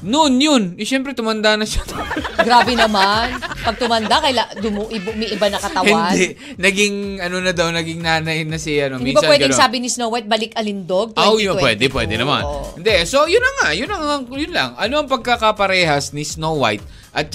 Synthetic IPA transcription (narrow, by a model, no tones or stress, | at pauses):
nonjʊnɛʃɛmpɾɛt̪ʊmɐnd̪anɐʃat̪oɡɾaːbɛnɐmanpɐɡ̚t̪ʊmɐnd̪akɐjlad̪ʊmoʔɪbmɐjʔɪbanɐkɐt̪ɐwɪand̪ɛʔ | nɐɡɪŋɐno̞nɐd̪ɐwnɐɡɪŋnaːnɐjnɐsɪɐnomiɪ̃bapswɛːd̪ɪŋsaːbɪnɪsnowajt̪̚bɐlɪkʔɐlɪnd̪oɡ̚t̪awjwɛ̰d̪ɛpwɛ̰ːd̪ɛnɐma̰nɪnd̪ɛso̞jʊnːɐŋajʊnlɐŋɐŋjʊnlɐ̰ŋʔɐnoʔɐŋpɐɡ̚kɐkɐpɐɾɛːhɐsnɪsnowwa̰jt̪̚ | ʔɐt̪̚t͡ʃ